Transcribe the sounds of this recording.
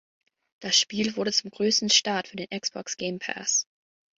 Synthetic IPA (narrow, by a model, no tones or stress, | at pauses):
d̥asʃpiːlvʊɐɾət͡sʊmɡʁøːstn̩ʃtaɐtfyːɐdeːnʔɛksb̥ɔ̰ksɡ̥ɛɪmpʰɛ̰s